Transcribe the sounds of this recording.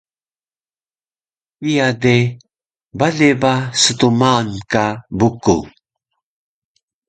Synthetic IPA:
ijade | baɮebasətumaːnkabuku

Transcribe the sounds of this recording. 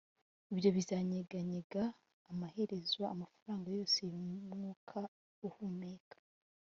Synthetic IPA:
ibjo̞βizaːɲeɡaɲeɡaː | mahe̞ɾe̞zwaːmafuɾaːŋɡajo̞ːsejuŋuːkʰa | uhumeːkḁ

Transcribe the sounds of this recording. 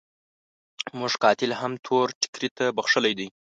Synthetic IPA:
muʐkɑt̪ɪlɦamt̪ʰoɾʈɪ̥kɾit̪abaxʂəlajd̪əj

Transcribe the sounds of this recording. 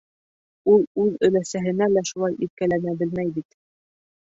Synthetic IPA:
ulˠʉðɵ̆læsæɦɘ̆nælæʃulˠɑjʔip̪̚kælænæbɘlmæjbit̪

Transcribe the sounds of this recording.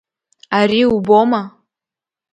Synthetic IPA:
aɾiuboma

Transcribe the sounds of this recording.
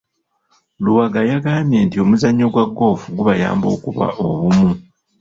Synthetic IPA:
luwaɡajaɡaːmje̞ntio̞muzaɲːo̞ɡwaɡːo̞ːfuɡuβaja̰ːmbo̞̰ːkuβa̰ʔoβumu

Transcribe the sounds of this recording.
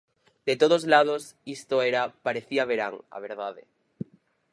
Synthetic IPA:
d̪̥et̪oð̞ozlað̞osist̪oeɾapaɾeθiaβ̞eɾaŋa̰β̞eɾðaðḛ

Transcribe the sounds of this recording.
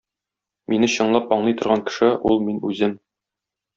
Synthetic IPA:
minɘɕɤ̆ɴlˠɑpɒɴlˠɤjt̪ŏɾʁɑŋkɘ̥̆ʃɘulˠminʉzɘm

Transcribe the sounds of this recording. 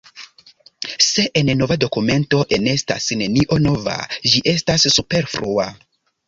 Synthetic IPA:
se̞ʔenno̞vado̞kume̞nto̞ʔe̞ne̞sta̰sne̞niʔo̞no̞va̰ʒiʔe̞stasːupe̞ɾfɾua

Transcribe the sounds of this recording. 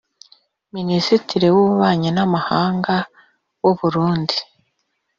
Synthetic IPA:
minisitiɾiwuβaːɲenamahaːŋɡa | woβuɾuːndi

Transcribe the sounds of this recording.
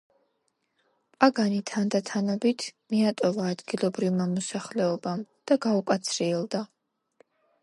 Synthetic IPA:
pʼaɡanit̪ʰand̪at̪ʰanɔbit̪ʰmiat̪ʼɔvaːd̪ɡilˠɔbɾivmamɔsaχlɛɔbamd̪̥aɡaukʼat̪sʰɾiɛlˠd̪a

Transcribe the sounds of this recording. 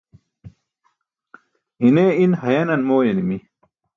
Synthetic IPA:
ineinhɐjɐnɐnmoːjɐnimi

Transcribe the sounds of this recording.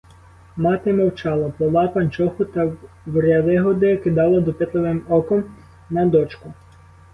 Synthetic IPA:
mɑt̪ɪmɔwt͡ʃɑlˠɐplˠɔʋɑpɐnʲt͡ʃɔxʊt̪ɐ | wɾʲjɐd̪ɪɦɔd̪ɪjɐkɪd̪ɑlˠɐd̪ɔpɪt̪lˠeʋɪmɔkɔm | nɐd̪ɔt͡ʃkʊ

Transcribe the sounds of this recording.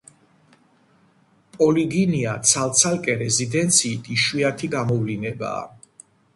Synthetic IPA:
pʼɔliɡiniat̪sʰalt̪sʰalkʼɛɾɛzid̪ɛnt̪sʰiːt̪ʰiʃwiat̪ʰiɡamɔvlinɛba̰ː

